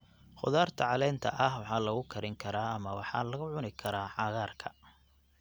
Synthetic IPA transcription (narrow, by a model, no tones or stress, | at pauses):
χʊ̰ðaːrt̪ʰɐʕɑlɛːnt̪ʰɐʔɐhwɑħɑːlɐɣʊkʰɐɾɪŋkʰɐɾaːɐmɐwɑħɑ̰ːlɐɣʊʕʊnɪkʰɐɾaːħɑɣaːrkʰɐ̥